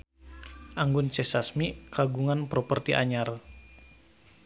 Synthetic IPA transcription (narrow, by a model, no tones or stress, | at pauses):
ʔaŋɡʊnt͡ʃɛsasmikaɡuŋanpɾɔpərt̪iʔa̰ɲar